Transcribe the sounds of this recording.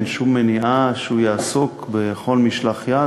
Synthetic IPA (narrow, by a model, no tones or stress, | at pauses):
nʃumːeniʔaʃeujaːsokbeχo̞lmiʃlaχja